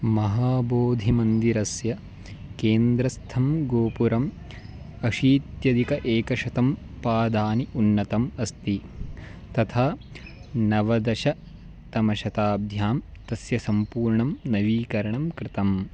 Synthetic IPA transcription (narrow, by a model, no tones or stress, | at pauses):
mɐɦaːboːd̪ʱimɐnd̪iɾɐsjɐ | keːnd̪ɾɐst̪ʰɐmɡoːpuɾɐm | ɐʃiːt̪jɐd̪ikɐʔeːkɐʃɐt̪ɐm | paːd̪ʱaːniunːɐt̪ɐmɐst̪i | t̪ɐt̪ʰaː | nɐʋɐd̪ɐʃɐ | t̪ɐmɐʃɐt̪aːb̚d̪ʱjaːm | t̪ɐsjɐsɐmpuːɾɳɐmnɐʋiːkɐɾɐɳɐmkɾɪt̪ɐm